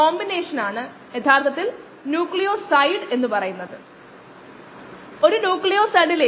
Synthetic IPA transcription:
oːmbine̞ːʂɐnaːɳɨ | jɐt̪ʰaːrt̪ʰɐt̪ːil | njuːkɭijoːsɐjɳɖe̞nːupɐrɐjunːɐðɨ | o̞ɾunjuːklijoːsɐjɳɖile

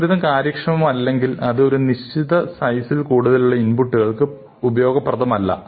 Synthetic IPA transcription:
ɾuðɐmkaːɾjɐkʂɐmɐmɐlːe̞ŋɡilɐðɨo̞ɾuniɕt͡ɕiðɐsɐjsilkuːɽuðɐluɭːɐinbuʈːuɣɐɭkɨ | ubɐjo̞ːɡɐpːrɐðɐmɐlːɐ̰

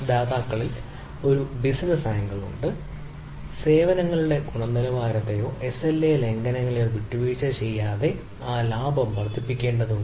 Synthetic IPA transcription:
d̪aːðaːkːɐɭil | o̞ɾubisnɐsaːjɐŋɡɐɭṵɳɖɨ | se̞ːʋɐnɐŋːɐɭuɽe̞ɡuɳɐmnilɐʋaːɾɐt̪ːejo̞ːʔe̞selːeːle̞ŋɡɐnɐŋːɐɭjoʋiʈːuʋiːt͡ɕːɐt͡ɕe̞jːaːðe̞ | aːlaːbʱɐmʋɐrt̪ʰːipːikʲːe̞ːɳɖɐðuɳɖɨ

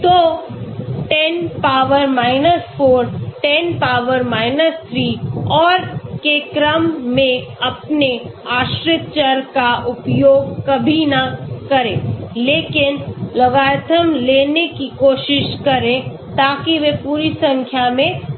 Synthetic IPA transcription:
t̪oː | ʈɛnpaːʋəɾmaːɪnəsfoːɾʈɛnpaːʋəɾmaːɪnəst̪ʰɾiːɔːɾkekɾəmːẽɐpneaːʃɾɪt̪̚t͡ʃəɾkaʔʊpjoːɡkɐbʱinakɐɾḛ̃ːleːkɪnlɐɡaːt̪ʰəmleːnekikoːʃɪʃkɐɾẽ | t̪aːkiʋepuːɾisɐ̃ŋkʰjamẽ

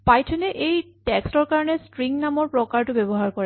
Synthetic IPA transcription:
pajtʰɔnɛʔejtɛkstɔɹkaɹɔnɛstɹiŋnamɔɹpɹɔkaɹtʊbebɔɦaɹkɔɹɛ

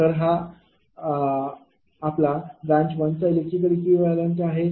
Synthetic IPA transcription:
t̪əɾɦa | plabɾãɲt͡ɕbənt͡sajlekit̪̬əɽikʋiʋalənʈaɦe

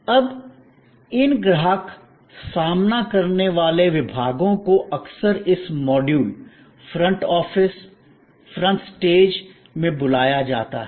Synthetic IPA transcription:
ɐb | ɪnɡɾaɦak | saːmnakɐɾneʋaːleʋɪbʱaːɡõkoʔɐksəɾɪsmɔːɖjuːl | fʰɾɐ̃ɳʈɔːfɪs | fɾə̃ɳʈsʈeːd͡ʒ | mẽbʊlaːjad͡ʒa̰ːt̪a̰ɦɛ

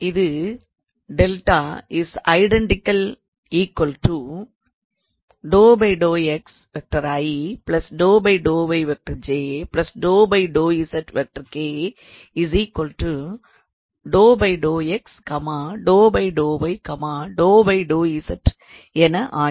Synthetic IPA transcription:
ɪðɯ | ɖɛlʈaːɪsɐ̰ɪɖɛɳʈɪkːɐl | iːkwɐlʈu | ɖoːbɐɪɖoːɛks | ʋɛk̚ʈɐɾajiplɐsɖoːbɐɪɖoːbɐɪʋɛk̚ʈɐɾd͡ʒeːplɐsɖoːbɐɪɖoːisɐʈʋɛk̚ʈɐɾkeː | ɪsiːkwɐlʈu | ɖoːbɐɪɖoːɛkskɐmaːɖoːbɐɪɖoːbɐɪkɐmaːɖoːbɐɪɖoːisɐʈ | ɛnɐʔaː

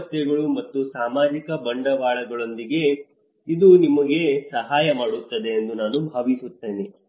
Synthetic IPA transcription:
t̪jɐɡɐɭumɐt̪ːusaːmaːd͡ʒikɐbɐɳɖɐʋaːɭɐɡɐɭo̞nd̪iɡe̞ | id̪unimɐɡe̞sɐɦaːjɐmaːɽut̪ːɐd̪e̞ːnd̪unaːnubʱaːʋisut̪ːe̞ːni

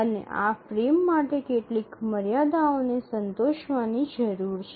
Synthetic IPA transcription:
ənḛʔa̰fɾemːaʈekeʈlikməɾjad̪aonesənt̪oʃʋanid͡ʒəɾuɾt͡ʃʰe

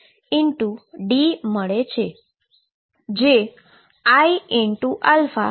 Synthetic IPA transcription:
ɪɳʈuɖiməɭet͡ʃʰe | d͡ʒe | aiiɳʈuʔalfa̰

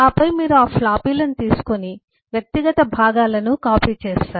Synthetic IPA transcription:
aːpɐjmiːɾuaːflaːpiːlɐnut̪iːsu̥koni | ʋjɐk̚t̪iɡɐt̪ɐbʱaːɡaːlɐnukaːpiːt͡ʃeːʃaːɾ

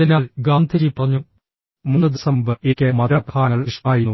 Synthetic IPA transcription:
inaːlɡaːnd̪ʰʱiɾipːɐrɐɲːu | munːɨd̪isɐmbɨekʲːemɐɾɐpʰaːŋɐɭiʂmaːjinːu

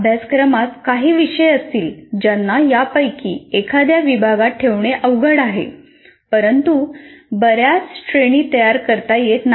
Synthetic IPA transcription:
bʱjaskɾəmat̪kaɦiːʋiɕəjəst̪iːld͡ʑanːajapəjkiːekʰad̪jaʋibʱaɡat̪̚ʈʰːeʋɳeʔəʋɡəɽaɦḛ | pəɾənt̪ubəɾjat͡sʈɾeɽ̃iːt̪əjaɾkəɾt̪ajet̪n

